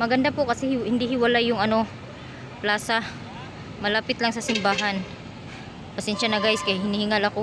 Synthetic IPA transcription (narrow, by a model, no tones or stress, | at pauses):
mɐɡɐnd̪apokɐsɛhhɪnd̪ihɪwɐlajːʊŋɐno̞ | plaːsɐ | mɐlaːpɪt̪laŋsɐsɪmbaːɦɐn | pɐsɛnʃɐnɐɡaːjskɐjhɪnihɪŋalɐko